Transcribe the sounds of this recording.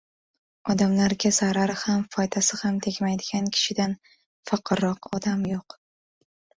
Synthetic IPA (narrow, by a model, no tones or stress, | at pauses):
ɒd̪amlaɾɡʲazaɾaɾɪhamfɒjd̪asɪhamt̪ʰekʲmajd̪ɪɡʲankʲʰɪ̥ʃɪd̪an | fɑqʰɨɾɒqɒd̪amjoq